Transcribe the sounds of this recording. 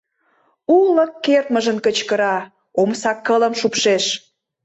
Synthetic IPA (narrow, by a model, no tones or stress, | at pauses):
uləkːert̪məʒənkət͡ɕkəɾɑ | omsɑkːələmʃupʃeʃ